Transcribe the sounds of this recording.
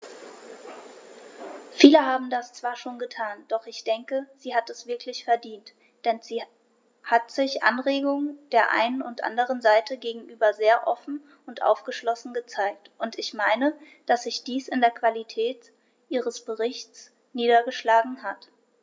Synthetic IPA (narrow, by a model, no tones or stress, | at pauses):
fiːləɦaːbm̩dast͡sv̥aːɐʃoːnɡətʰaːnd̥ɔχɪçd̥ɛŋkəz̥iːɦatɛsv̥ɪɐkʰlɪçfɛɐdiːnt | d̥ɛnziː | hatz̥ɪçʔa̰nʁeːɡʊŋd̥eːɐʔa̰ɪnənʊntʔa̰ndəʁ̞ənzaɪtʰəɡeːɡŋ̩ʔyːbɐzeːɐʔɔfn̩ | ʊntʔa̰ʊfɡ̥əʃlɔsn̩ɡət͡saɪk̚tʔʊntɪçmaɪnə | d̥asz̥ɪçd̥iːsɪndeːɐkv̥alitʰɛːt | ʔiːʁəsb̥əʁɪçtt͡s | niːdɐɡəʃlaːɡŋ̩ɦat